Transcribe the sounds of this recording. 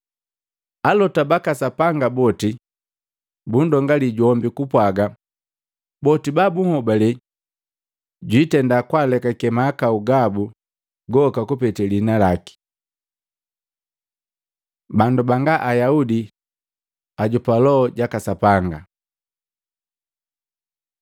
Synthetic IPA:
alɔtabakasapaŋɡabɔti | bun̩dɔŋɡaliɟɔmbikupwaɡa | bɔtibabuŋhɔbalɛ | ɟwitɛndakwalɛkakɛmaːkauɡabu | ɡɔkakupɛtɛlinalaki̥ | bandubaŋɡaʔajaudi | aɟupalɔːɟakasapaŋɡa

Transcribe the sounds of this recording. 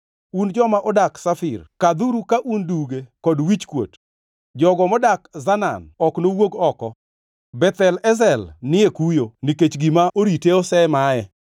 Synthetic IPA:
und͡ʒɔmaʔɔdaksafɪ̰rkad̪uɾukaʔunduɡekɔdwit͡ʃkwo̰t | d͡ʒɔɡɔmɔdakzana̰nɔknowoɡɔkɔ | bɛt̪ɛlɛzɛlnɪekujoniket͡ʃɡimaʔoɾiteɔsɛmaɛ

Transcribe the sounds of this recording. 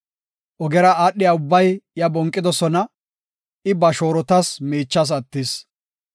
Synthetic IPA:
ʔɔɡɛɾɐaːɗːɪjɐʊbːɐjjɐbɔŋkʼːɪd̪ɔsɔnɐ | ɪbɐʃoːɾɔt̪ɐsmiːt͡ʃːɐs̬ɐt̪ːɪs

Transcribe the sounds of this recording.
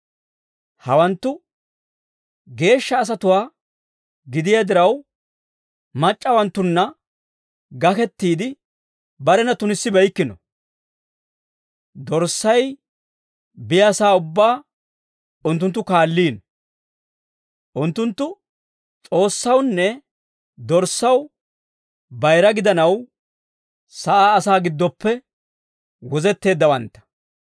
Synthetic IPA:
hɐwɐnt̪ːʊ | ɡe̞ːʃːɐːs̬ɐt̪ʊwaː | ɡɪd̪ɪjad̪ɪɾɐw | mɐt͡ʃʼːɐwɐnt̪ːʊnːɐ | ɡɐkɛt̪ːiːd̪ɪ | bɐɾɛnɐt̪ʊnɪsːɪbɐjkːɪnɔ̰ | d̪ɔɾsːɐj | bɪjasaːʊbːaː | ʊnt̪ːʊnt̪ːʊkaːlːiːn | ʔʊnt̪ːʊnt̪ːʊ | t͡sʼo̞ːsːɐwnːɛ | d̪ɔɾsːɐw | bɐjɾɐɡɪd̪ɐnɐw | sɐʔaːsaːɡɪd̪ːɔpːɛ | wɔzɛt̪ːe̞ːd̪ːɐwɐnt̪ːɐ̥

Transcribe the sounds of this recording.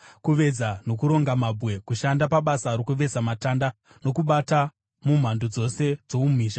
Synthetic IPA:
kuʋe̞d͡zano̞kuɾo̞ŋɡamabʱwe̞kuʃandapaɓasaɾokuʋe̞d͡zamatanda | no̞kuɓata | mum̤andod͡zo̞se̞d͡zoumiːʃa

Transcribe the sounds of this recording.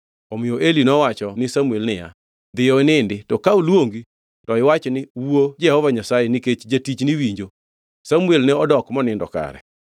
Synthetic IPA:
ɔmɪoʔelinɔwat͡ʃɔnɪsamuelnɪja̰ | d̪ɪjɔnɪndɪtɔkaulwoŋɡi | tɔɪwat͡ʃnɪwuod͡ʒɛhɔvaɲasajenɪket͡ʃd͡ʒatit͡ʃnɪwiɲd͡ʒo | samuelnɪɔdɔkmɔnɪndɔ̰ka̰ɾɛ̰

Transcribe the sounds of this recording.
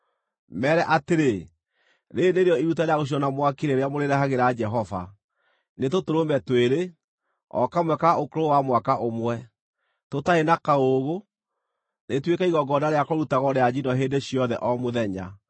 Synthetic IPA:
mɛːɾɛʔateɾe | ɾendeɾejɔiɾutaɾeaɣoɕ̬iɔnamwakiɾeɾeamoɾeɾɛɦaɣeɾad͡ʒɛɦɔva̰ | netotoɾomɛtweɾe | ɔ̰kamwɛkaokoɾowamwakaʔomwɛ | totaenakaoɣo | netwekaiɣɔɡɔdaɾeakɔɾutaɣɔɾead͡ʑinɔɦeːndeɕiɔðɛ̰ʔɔmoðɛɲa̰

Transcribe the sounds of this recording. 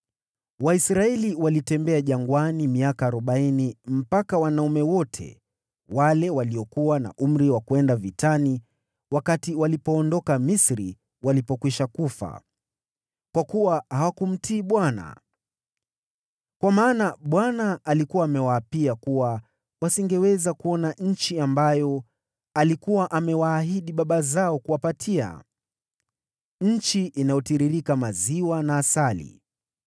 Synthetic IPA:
waisɾaɛliwalitɛmbɛaʄaŋɡwanimiakaːɾɔɓainim̩pakawanaumɛwɔtʰɛ̰ | walɛwaliɔkuwana̰ʔum̩ɾiwakuɛndavitʰani | wakatiwalipɔːndɔkamisɾi | walipɔkwiʃakufa̰ | kwakuwahawakum̩tiːɓwana̰ | kwamaːnaɓwanaalikuwaːmɛwaːpiakuwa | wasiŋɡɛwɛzakuɔnaɲ̩t͡ʃiambajɔ | alikuwaʔamɛwaːɦiɗiɓaɓazaɔkuwapatʰia̰ | ɲ̩t͡ʃiʔinajɔtiɾiɾikamaziwanaːsalḭ

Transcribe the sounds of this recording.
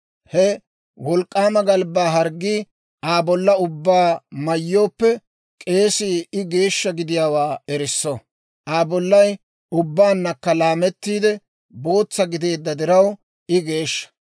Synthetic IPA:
hɛ | wɔlkʼːaːmɐɡɐlbaːɦɐɾɡːiː | aːbɔlːɐʊbːaːmɐjːo̞ːpːɛ | kʼe̞ːsiːɪɡe̞ːʃːɐɡɪd̪ɪjaːwaːɛɾɪsːɔ | ʔaːbɔlːɐj | ʊbːaːnːɐkːɐlaːmɛt̪ːiːd̪ɛ | bo̞ːt͡sːɐɡɪd̪e̞ːd̪ːɐd̪ɪɾɐw | ɪɡe̞ːʃːɐ̥

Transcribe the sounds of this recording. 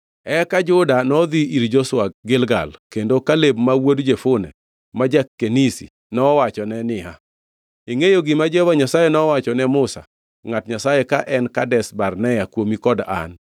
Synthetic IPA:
ɛkad͡ʒʊdanɔd̪iiɾd͡ʒɔswak̚ɡɪlɡa̰lkendokalebmawodd͡ʒefʊnɛ̰ | mad͡ʒakːenisḭ | nɔwat͡ʃɔnɛnɪɦa̰ | iŋejoɡɪmad͡ʒɛwaɲasajɛnɔwat͡ʃɔnɛmʊsa̰ | ŋatɲasajɛkaʔɛnkadɛsbarnɛjakwomikɔda̰n

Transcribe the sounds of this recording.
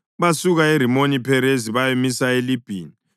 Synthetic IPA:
βasuɣaer̤imonipʰɛɾeziβajemisaelib̥ʱḭːni

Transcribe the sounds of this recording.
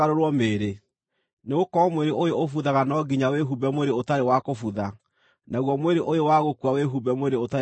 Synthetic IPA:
aɾoɾwɔmeːɾe | neɣokɔmweɾeʔojoofuðaɣanɔɡiɲaweɦubɛmoeɾeotaɾewakofuða | naɣwɔmweɾeʔojowaɣokwaweɦubɛmoweɾeota

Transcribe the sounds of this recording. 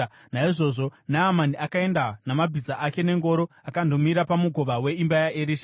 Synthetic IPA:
naiʐo̞ʐo̞naːmaniʔakae̞ndanamabʱizaʔake̞ne̞ŋɡo̞ːɾo̞ | akando̞miɾapamuɡʱo̞ʋawe̞imbajaʔeɾiʃa

